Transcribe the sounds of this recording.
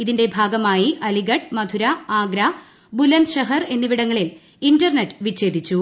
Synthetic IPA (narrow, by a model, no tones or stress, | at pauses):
iðinde̞bʱaːɡɐmaːjiʔɐliɣɐʈ̚mɐd̪ʱuɾɐaːɡɾa | bulɐnd̪ɕɐɦɐre̞nːiʋiɽɐŋːɐɭil | indɐrneʈːɨ̥ʋit͡ɕːe̞ːd̪ʱit͡ɕːu